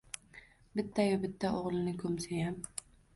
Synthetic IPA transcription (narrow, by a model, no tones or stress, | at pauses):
bɪt̪ʰːajʊbɪt̪ʰːaʔoʁlˠɪnɪkʰɵmsajam